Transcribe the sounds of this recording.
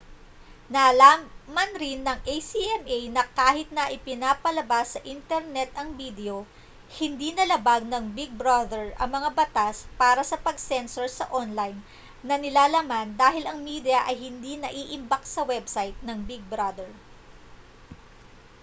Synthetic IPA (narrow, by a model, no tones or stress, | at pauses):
nalamɐnɾɪnːɐŋʔejsiʔɛmʔejnɐkaːhɪt̪̚nɐʔɪpɪnaːpɐlɐbasːɐʔint̪ɛɾnɛt̪̚ʔɐŋbid̪ɛo̞ | hɪnd̪inɐlɐbaɡ̚nɐŋbiɡ̚bɾad̪ɛɹʔɐŋmɐŋabɐt̪aspaːɾɐsɐpɐɡsɛnsoɹsɐʔonlajn | nɐnɪlaːlamand̪aːɦɪlɐŋmid̪jɐʔɐjhɪnd̪inɐʔiːʔɪmbɐksɐwɛbsajt̪̚nɐŋbiɡ̚bɾad̪ɛɹ